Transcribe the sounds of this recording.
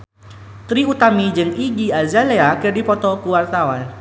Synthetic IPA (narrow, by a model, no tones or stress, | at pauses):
t̪ɾiut̪amid͡ʒɨŋiɡiazaleakɨrdipɔt̪ɔkuwart̪awan